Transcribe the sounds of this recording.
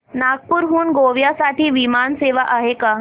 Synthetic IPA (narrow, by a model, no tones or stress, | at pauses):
naɡ̚puɾɦuːnɡoʋjasaʈʰiːʋimanseʋaʔaɦeka